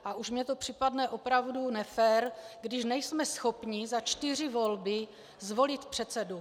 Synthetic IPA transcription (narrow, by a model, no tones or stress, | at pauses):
ʔaʔuʃmɲɛt̪o̞pr̝̥ɪpadnɛʔo̞pɾavdunɛfɛːɾɡdɪʃnɛjsmɛsxo̞pɲɪzat͡ʃt̪ɪr̝ɪvo̞lbɪ | zvo̞lɪt̪pr̥ɛt̪t͡sɛdu